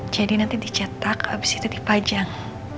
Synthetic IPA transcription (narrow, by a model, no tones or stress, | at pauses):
d͡ʒadinant̪idit͡ʃat̪akabisit̪udipad͡ʒaŋ